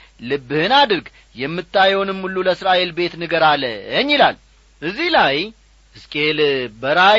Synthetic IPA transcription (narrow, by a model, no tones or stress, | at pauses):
lɨbːɨhɨnad̪ɾɡ | jɛmːɨt̪ʰʼːajɛwnɨmːulːuləsɾaʔe̞lbe̞t̪nɨɡəɾalə̰əɲːilal | ʔɨzːihlaj | ɨskʼelbəɾa